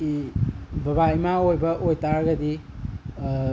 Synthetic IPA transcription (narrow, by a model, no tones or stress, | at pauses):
ibɐbaimaojbɐʔojtaɾɡɐdi